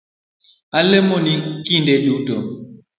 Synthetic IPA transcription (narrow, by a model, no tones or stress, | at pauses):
alemɔniŋkindeɗutɔ